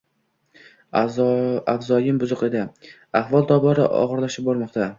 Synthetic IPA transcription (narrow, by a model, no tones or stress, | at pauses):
avzɒjɪmbʊzʊqe̞d̪ɪ | aχvɒlˠt̪ʰɒbɒɾɪʔɒ̰ʁɨɾlaʃɪp̚bɒɾmɒqt̪ʰa